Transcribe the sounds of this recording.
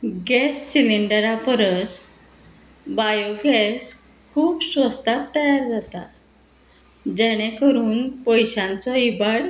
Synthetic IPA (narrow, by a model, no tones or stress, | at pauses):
ɡɛsːiliɳɖəɾapəɾəs | bajoɡɛs | kʰuːpsʋəst̪ʰat̪ːəjaɾd͡zat̪a | d͡ʑɛɽ̃ekəɾuːnpəjɕãnt͡sɔibaɽ